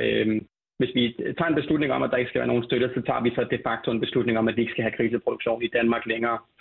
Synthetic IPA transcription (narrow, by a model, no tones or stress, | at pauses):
ø | ʋe̝sʋit͡sʰɑ̈enb̥e̝slud̥ne̝ŋɒ̽mʔæd̥ɑ̈e̝ɡ̥əsɡ̥æʋæːɐno̝ːn̩sd̥øɾəsɒ̽t͡sʰɑ̰̈ːʋisɒ̽d̥e̝fɑ̈ɡ̥̚t͡sʰo̝e̝nb̥e̝slud̥ne̝ŋɒ̽mæd̥ie̝ɡ̥sɡ̥æɦækʰʁiːsəpʰʁod̥uɡ̥ɕo̝̰ːnid̥ænmɑ̈ːɡ̥leŋɐː